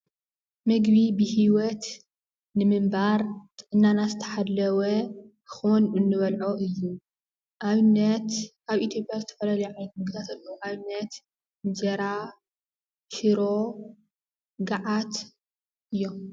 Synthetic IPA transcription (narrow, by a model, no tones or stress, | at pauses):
mɨɡbibɨhiwɔt̪ | nɨmɨmbaɾt̪ʼɨʔɨnːanazɨt̪ʰɐ̥ħalːɐwɐ | xonɨnːɨβɐlʕoʔɨjːu | ʔaβnːɐt̪ʔaβʔit̪ʰjo̞pʼjazɨt̪ʰɐ̥fɐlalɐjʕajt̪mɨɡd̪ʰat̪ʰɐlːoʔaβɨnːɐt̪ | d͡ʒɐɾa | ʃɨɾo | ɡaʕat̪ | ʔɨjːom